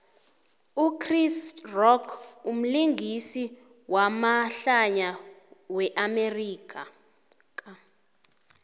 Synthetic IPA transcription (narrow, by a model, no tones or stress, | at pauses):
ukʰrisrɔkʰum̩liŋɡʱisi | wamaɬaɲawɛʔameriːk̬ʼa | kʼa